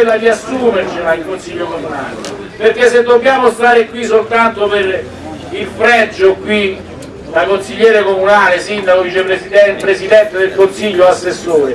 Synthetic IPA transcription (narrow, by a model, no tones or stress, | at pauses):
elːad̪iasːuːmert͡ʃilailkonsiʎːokomuna̰ːlḛ | perk̟esːet̪ːokjaːmost̪aːɾekwisːolt̪ant̪oper | ilfɾɛd͡ʒːokwi | d̪akonsiʎːɛːɾekomunaːlesind̪akovit͡ʃepɾesid̪ɛpɾesid̪ɛnt̪ed̪elkonsiʎːoasːesːoːɾe